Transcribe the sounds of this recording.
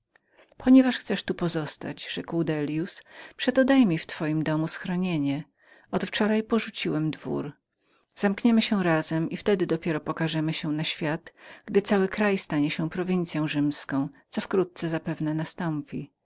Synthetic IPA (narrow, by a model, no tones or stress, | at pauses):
pʰɔɲɛvaʂxt̪sɛʂt̪upɔzɔst̪a̰d͡ʑʐ̥ɛkwd̪ɛlʲjuspʂɛt̪ɔd̪ajmʲift̪fɔjimd̪ɔmusxɾɔɲeɲɛ | ɔt̪ft͡ʂɔɾajpɔʐut͡ɕiwɛmd̪vṵɾ | z̥amkɲɛmɘɕɛɾazɛmift̪ɛd̪ɘd̪ɔpʲjɛɾɔpɔkaʐɛmɘɕɛnaɕfʲjat̪ɡ̥d̪ɘt̪sawɘkɾajst̪aɲɛɕɛpɾɔvʲint̪sʲjɔ̃w̃ʐɘmskɔ̃w̃t̪sɔfkɾut̪̚t̪sɛzapɛvnɛnast̪ɔmpʲi